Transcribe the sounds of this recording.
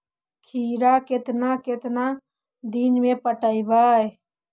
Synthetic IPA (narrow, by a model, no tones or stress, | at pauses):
kʰiːɾaket̪naket̪na | d̪inmẽpəʈəibaj